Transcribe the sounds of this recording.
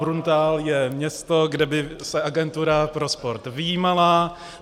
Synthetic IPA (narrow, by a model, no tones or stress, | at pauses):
ɾunt̪aːljɛmɲɛst̪o̞ɡdɛbɪsɛʔaɡɛnt̪uɾapɾo̞spoɾt̪vɪjiːmala